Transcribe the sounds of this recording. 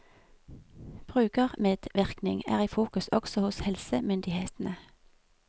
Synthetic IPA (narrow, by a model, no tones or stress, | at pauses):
b̥ʁʉːɡəʁmeːd̪̥ʋɪʁknɪŋæ̰ːʁiːfuːkʉsɔɡ̥sɔhʊshɛlsəmʏnd̪ɪheːt̪n̩ə